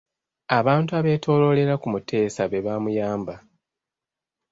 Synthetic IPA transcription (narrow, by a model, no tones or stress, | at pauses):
aβaːntuaβe̞ːtʰo̞ːlo̞le̞ɾakumutʰe̞ːsaβe̞βamujaːmba